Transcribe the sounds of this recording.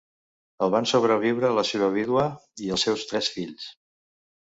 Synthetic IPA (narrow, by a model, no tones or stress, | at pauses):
əlˠβansoβɾəβiwɾələseβəβ̞iðwəiəlˠsɛwst̪ɾɛsfiʎs